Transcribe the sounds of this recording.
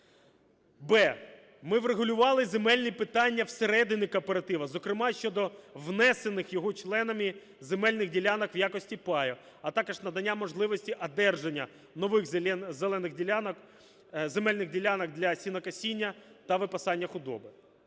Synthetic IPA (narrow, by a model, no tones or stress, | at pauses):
bɛ | mɪʋɾeɦʊlʲʊʋɑlˠɪzemɛlʲnʲipɪt̪ɑnʲːɐwseɾɛd̪ɪnʲikɔpeɾɐt̪ɪʋɐzɔkɾɪmɑʃt͡ʃɔd̪ɔʋnɛse̞nɪxjɔɦɔt͡ʃlˠɛnɐmʲi | zemɛlʲnɪɣdʲilʲanɐkʋjakɔsʲtʲipɑjɛ | ɐt̪ɑkɔʒnɐd̪ɐnʲːamɔʒlˠɪʋɔsʲtʲiʔɐd̪ɛrʒenʲːɐ | nɔʋɪxzelˠɛnɪɣdʲilʲank | zemɛlʲnɪɣdʲilʲanɐkd̪lʲɐsʲinɐkɐsʲinʲːɐt̪ɐʋɪpɐsɑnʲːɐxʊd̪ɔ̰bɪ